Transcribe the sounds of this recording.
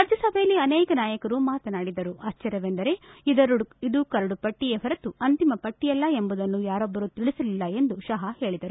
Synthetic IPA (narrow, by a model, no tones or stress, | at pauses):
ɐɾd͡ʒɐsɐbʱejɐlːiɐnɛːkɐnaːjɐkɐɾumaːt̪ɐnaːɽid̪ɐɾuɐst͡ʃɐɾjɐʋend̪ɐɾe̞id̪ɐɾid̪ukɐɾɐɽupɐʈːijeɦɐɾɐt̪uɐnt̪imɐpɐʈːijɐlːɐe̞mbud̪ɐnːujaːɾɔbːɐɾut̪iɭisɐlilːɐe̞nd̪uʃɐɦɐhe̞ːɭid̪ɐɾu